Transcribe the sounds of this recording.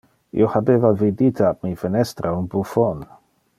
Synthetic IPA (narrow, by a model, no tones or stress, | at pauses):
ḭohabeːvavid̪it̪ʰap̚mifenɛst̪ɾʔaunbufon